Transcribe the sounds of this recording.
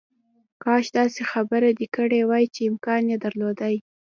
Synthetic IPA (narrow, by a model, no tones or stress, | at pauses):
kɑʃd̪ɑsexabəɾad̪ikəɽewɑjt͡ʃeɪmkɑnjed̪aɾlod̪aj